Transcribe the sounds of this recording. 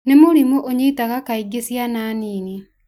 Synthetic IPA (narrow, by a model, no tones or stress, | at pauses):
nemoɾimoʔoɲeitaɣakaiɡesjanaːniːne